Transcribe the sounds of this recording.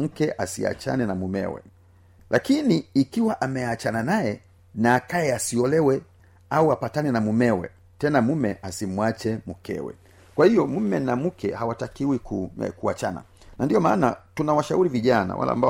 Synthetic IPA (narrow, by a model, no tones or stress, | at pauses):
m̩kɛʔasḭa̰t͡ʃa̰nɛnamumɛ̰wɛ̰ | lʔakiniːkiwaʔamɛat͡ʃananajɛ | naːkajɛasiɔlɛwɛ | auapatanɛnamumɛwɛ̰ | tɛnamumɛʔasimuwat͡ʃɛmukɛ̰wɛ̰ | kwahijɔmumɛnamukʰɛhawatakiwikukuat͡ʃana̰ | nandiɔmaːnatunawaʃauɾiviʄana̰wʔa̰la̰a̰mba